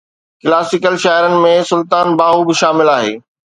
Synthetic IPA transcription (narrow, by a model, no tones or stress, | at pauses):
kɪlaːsɪkəlʃaːɪɾənɪ̆mẽsʊlt̪aːnbaːɦubɪʃaːmɪlaːɦeː